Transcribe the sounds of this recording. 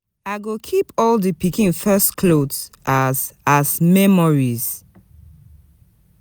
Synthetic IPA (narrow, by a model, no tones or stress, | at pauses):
aɪɡokʰipɔldəpikĩnfɛskʰlodʔazazmɛmɔɹiz̥